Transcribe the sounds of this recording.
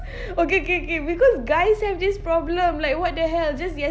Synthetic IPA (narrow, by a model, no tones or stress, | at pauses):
okeokeokebikɔsɡajshɛvdispɹɔblə̃mlaɪk̚wɔt̚deɦɛld͡ʒasjɛ